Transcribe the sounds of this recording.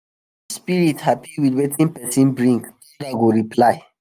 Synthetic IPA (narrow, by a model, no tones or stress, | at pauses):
əspiɹithapiwidwɛtʰĩnpɛsĩnbɹĩŋk | ɛdaɡoɹipʰlaj